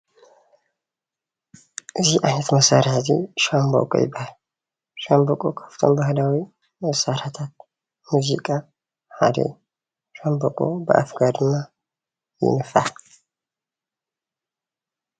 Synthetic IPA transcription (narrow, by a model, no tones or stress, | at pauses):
ʔɨziʔajnɐt̪mɐsaɾzḭʃambo̰kʼo̰jɪ̰bahl | ʃambokʼokʰḁft̪ʰo̞̰mbahlawi | mɐsaɾat̪ʰat̪̚ | muzḭkʼa | ħad̪ḛ | ʃambokʼo̰bəʔa̰fɡad̪ɨmːa | jɪ̰nɨfal